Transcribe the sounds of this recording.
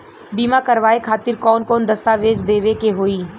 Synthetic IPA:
biːmakɐɾʋaːekʰaːt̪ɪɾkɔːnkɔːnd̪ɐst̪aːʋeːd͡ʒd̪eːʋekeɦoːiː

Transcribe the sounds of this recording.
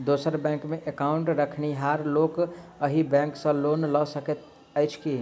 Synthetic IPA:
d̪osəɾbɛ̃ŋkmeʔekaʊɳʈɾəkʰniɦaɾlokəɦibɛ̃ŋksə̃lonlɔsəket̪ | əɪt͡ʃʰki

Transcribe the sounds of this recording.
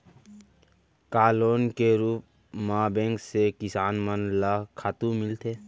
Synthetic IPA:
kaːloːnkeɾuːp̚ | maːbẽːŋksekɪsaːnmənlaːkʰaːt̪ũmɪlt̪ʰeː

